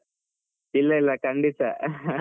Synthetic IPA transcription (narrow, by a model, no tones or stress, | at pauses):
ilːɐilːɐkɐɳɖit̪ːɐ̰